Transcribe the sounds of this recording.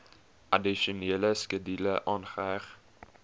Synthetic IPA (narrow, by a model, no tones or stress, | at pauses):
ʔɐdiʃuneːləskədiləʔɑːnχəæχ